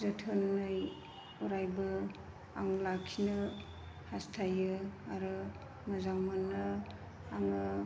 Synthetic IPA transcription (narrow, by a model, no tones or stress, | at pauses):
zɯtʰɯnːɯj | uɾajbɯ | aŋlakʰinɯ | hastʰajɯaɾɯ | mɯzaŋmɯnɯ | aŋɯ